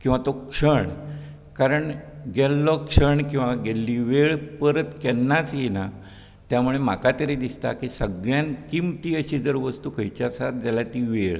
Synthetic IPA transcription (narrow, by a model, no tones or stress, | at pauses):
kĩw̃ʋat̪okʂəɳ | kaɾəɳɡɛlːɔkʂəɳkĩw̃ʋaɡɛlːiʋeɭpəɾət̪kɛnːat͡sjena | t̪jamuɭem̤akat̪əɾed̪ist̪a̰kisəɡɭjãnkimt̪iːəɕid͡zəɾʋəst̪ukʰəjt͡ɕasat̪̚d͡zalat̪iʋeɭ